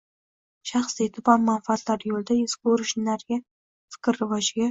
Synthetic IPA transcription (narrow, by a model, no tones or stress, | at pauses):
ʃaχsit̪ʰʊbɒnmanfat̪laɾjolˠd̪aezkʲoɾɪʃnaɾɡʲa | fɪ̥kʲɾːɪvɒd͡ʒɪɡʲa